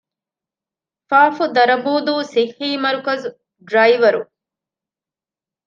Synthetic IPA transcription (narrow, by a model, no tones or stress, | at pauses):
faːfud̪ɐɾɐbuːd̪uːsihːiːmɐɾukɐzu | ɖɾɐjʋɐɾu